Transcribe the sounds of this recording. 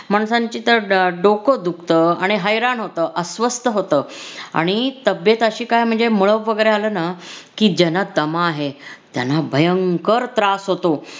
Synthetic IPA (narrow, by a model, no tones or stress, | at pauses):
m̤aɳsaɲt͡ɕiːt̪əɾɖokod̪ukʰt̪əaɽ̃iɦəjɾanɦot̪əːʔəsʋəst̪əɦot̪əːa̰ɽ̃it̪əbjet̪əɕiːkajm̤əɳd͡zemuɭəʋːəɡəjɾealəːnakiːd͡ʑanat̪əmaːɦet̪janabʱəjəŋkəɾt̪ɾasɦot̪o